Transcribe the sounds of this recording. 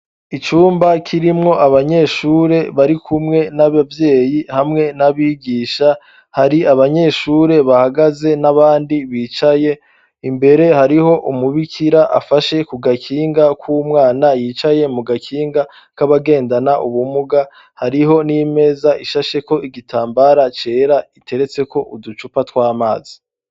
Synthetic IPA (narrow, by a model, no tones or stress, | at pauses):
it͡ʃuːmbakʰiɾimŋo̞ʔaβaɲe̞ʃuːɾe̞βaɾikʰumŋe̞naβavje̞ːjihamŋe̞naβiɡiːʃa | haɾiaβaɲe̞ːʃuːɾe̞βahaɡaze̞naβaːndiβiːt͡ʃaje̞ | imbe̞ɾe̞haɾiho̞ʔumuβikʰiɾaʔa̰faʃe̞kuɡakʰiːŋɡakʰumŋaːnajiːt͡ʃaje̞muɡakʰiːŋɡa | kaβaɡe̞ːndanaʔuβumuɡa | haɾiɦo̞nime̞ːzaʔiʃaʃe̞ko̞ʔiɡitʰaːmbaɾat͡ʃe̞ːɾaitʰe̞ɾe̞t͡se̞ko̞ʔudut͡ʃupatwaːmaːzi̥